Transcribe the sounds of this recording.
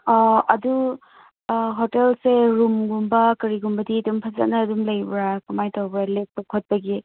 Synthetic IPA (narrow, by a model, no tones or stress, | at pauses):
ɐdu | ɦotelseɾumɡumbɐkɐɾiɡumbɐdidumpʰaza̰nɐːdumlɐjbɾakumajtawbɾalek̚pɐkʰot̚bɐɡi